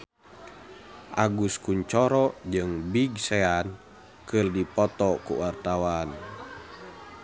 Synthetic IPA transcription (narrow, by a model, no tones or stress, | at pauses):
ʔaɡuskuɲt͡ʃɔɾɔd͡ʒɨŋbiɡsɛan | kɨrdipɔt̪ɔkṵwart̪awan